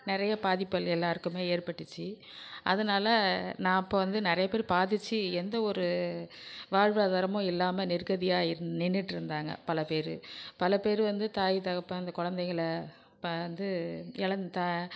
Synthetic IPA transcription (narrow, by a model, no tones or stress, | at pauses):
nɪɾɐjɐpaːðɪpːɐlɛlːaːɾɯkːɯmeːeːɾpɐʈːɯt͡ʃːi | ʔɐ̰ðɯnaːlɐnãːɪpːoːʋɐnd̪ɯnɪɾɐjɐpeːɾpaːðɯt͡ʃːiɛnd̪ɐɔɾɯ | ʋaːɻʋaːðaːɾɐmʊ̃ɪlːaːmɐnɪɾkɐðɪjaːɪɾɯnɪnːɪʈːɪɾɯnd̪aːŋɡɐ̰pɐlɐpeːɾɯ̰pɐlɐpeːɾɯʋɐnd̪ɯt̪aːjit̪ɐɣɐpːɐɐnd̪ɐkʊɻɐnd̪ɛɪŋɣɐɭ | ɐnd̪ɯɛɭɐnd̪t̪a